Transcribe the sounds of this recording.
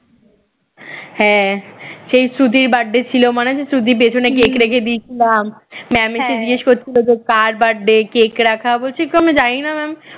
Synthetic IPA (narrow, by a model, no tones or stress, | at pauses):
hɛ̃ | ʃejsɾut̪iɾbaɖːet͡ɕʰilomaned͡ʑesɾut̪̬ip̬et͡ɕʰonekekɾekʰed̪iet͡ɕʰilamːɛmiʃed͡ʑieʃkotːt͡ɕʰilod͡ʑokaɾbaɖːekekɾakʰabolt͡ɕʰit̪oamid͡ʑajnamɛm